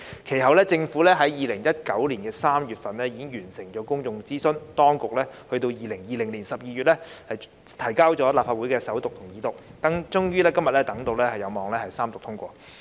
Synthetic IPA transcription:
kʰe˨˩jɦɐ˨wlɛː˥t͡sɪ˧ŋfuː˨˥lɛː˥ɦɐ˨˥jjiː˨lɪ˨˩ŋjɐ˥t̚kɐ˨˥wliː˨˩nkɛː˧saː˥mjyː˨t̚fɐ˨nlɛː˥jiː˧kɪ˥ŋjyː˨˩nsɪ˨˩ŋt͡ʃɔː˨˥kʊ˥ŋt͡sʊ˨ŋt͡siː˥sɵ˥nt̪ɔː˥ŋkʊ˨k̚lɛː˥hɵ˧ɥt̪o˧wjiː˨lɪ˨˩ŋjiː˨˩lɪ˨˩ŋliː˨˩nsɐ˨p̚jiː˨˧ɥyː˨t̚lɛː˥hɐ˨j | t̪ʰɐ˨˩jkaː˥wt͡ʃɔː˨˥laː˨p̚faː˧wu˨˥jkɛː˧sɐ˨˥wt̪ʊ˨k̚t̪ʰʊ˨˩ŋjiː˨˧t̪ʊ˨k̚t̪ɐ˨˥ŋt͡ʃʊ˥ŋjyː˥lɛː˥kɐ˥mjɐ˨t̚lɛː˥t̪ɐ˨˥ŋt̪o˧wlɛː˥hɐ˨jːɐ˨˧wmɔː˨˧ŋlɛː˥hɐ˨jsaː˥mt̪ʊ˨k̚t̪ʰʊ˥ŋkʷɔː˧

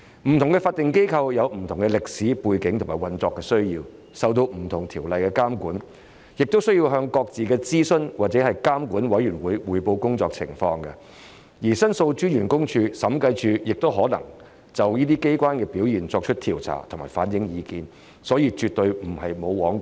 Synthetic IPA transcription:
m̩˨˩t̪ʰʊ˨˩ŋkɛ˧faː˧t̪ɪ˨ŋke˥jkʰɐ˧wjɐ˨˧wm̩˨˩t̪ʰʊ˨˩ŋkɛ˧lɪ˨k̚siː˨˥puː˧jkɪ˨˥ŋtʰʊ˨˩ŋmaː˨˩wɐ˨nt͡sɔː˧kːɛː˧sɵ˥ɥjiː˧w | sɐ˨wt̪̬o˧wm̩˨˩t̪ʰʊ˨˩ŋt̪ʰiː˨˩wlɐ˨jkɛ˧kaː˥mkuː˨˥n | jɪ˨k̚t̪o˥wsɵ˥ji˧wɦœː˧ŋkɔː˧k̚t͡siː˨kɛː˧t͡siː˥sɵ˥nwʔaː˨t̚t͡sɛ˨˥hɐ˨jkaː˥mkuː˨˥nwɐ˨˥jyː˨˩nwuː˨˧˥jwuː˨˧jpo˧wkʊ˥ŋt͡sɔː˧k̚t͡sʰɪ̰˨˩ŋfɔ̰ː˧ŋɡɐ˧ | jiː˨˩sɐ˥nso˧wt͡ʃyː˥njyː˨˩nkʊ˥ŋt͡ʃʰyː˧sɐ˨˥mkɐ˧jt͡ʃʰyː˧jɪ˨k̚t̪o˥wɦɔː˨˥nɐ̰˨˩ŋ | t͡sɐ˨wjiː˥t̪iː˥ke˥jkʷwʷaː˥nkɛː˧piː˨˥wjiː˨˩nt͡sɔː˧k̚t͡ʃʰɵ˥t̚t̪ʰiː˨˩wt͡sʰa̰ː˨˩wt̪ʰmaː˨˩faː˨˥njɪ˨˥ŋjiː˨˧kiː˨˧n | sɔː˨˥jiː˧t͡ʃyː˨t̚t̪ɵ˧ɥm̩˨˩hɐ˨jmo˨˧wwɔː˨˥ŋ

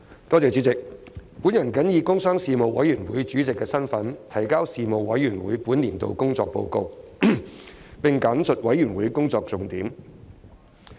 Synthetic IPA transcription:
t̪ɔː˥t͡sɛː˨˧t͡sy˨˥t͡sɪ˨k̚puː˨˥njɐ˨˩nkɐ˨˥njiː˧kʊ˥ŋsœː˥ŋsiː˨˧mo˨wɐ̰˨˥jyː˨˩nwuː˨˥jt͡ʃyː˨˥t͡sɪ˨kːɛː˧sɐ˥nfɐ˨˥nt̪ʰɐ˨˩jkaː˥wsiː˨˧mo˨˧wːɐ˨˥jːyː˨˩nwuː˨˥jpuː˨˥nliː˨˩nt̪o̰˧wkʊ˥ŋt͡sɔ̰ː˧k̚po̰˧wko̰˧w | pɪ˨ŋkaː˨˥nsʰɵ˨t̚wɐ˨˥jːyː˨˩nwuː˨˥jkʊ˥ŋt͡sɔː˧k̚t͡sʊ˨ŋt̪iː˨˥m

